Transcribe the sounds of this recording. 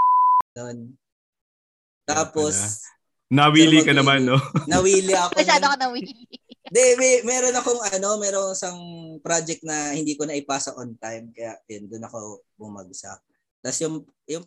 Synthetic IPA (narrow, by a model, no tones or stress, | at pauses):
jon | t̪aːpo̞s | nɐwiːlikɐnɐmanːonɐwiːlɪʔɐkɐsaːokonɐwiːlɪd̪ɛmɛmɛːɾo̞nɐkoŋɐno̞mɛːɾoŋɪsɐŋpɾad͡ʒɛk̚t̪̚nɐhɪnd̪iːkonɐʔɪpaːsɐʔont̪ajmkɐjaʔjond̪ʊnɐko̞bʊmɐ̰ɡ̚sɐ̰ʔ̚ | t̪ɐsjʊŋ | jʊŋ